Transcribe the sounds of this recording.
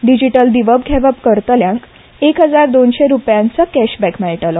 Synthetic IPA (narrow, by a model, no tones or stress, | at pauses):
ɖid͡ʑiʈəld̪iʋəb̚ɡʱɛʋəpkəɾt̪əljãŋk | ekɦəd͡zaɾd̪onɕeɾupjãnt͡səkæɕbɛkmɛɭʈəlɔ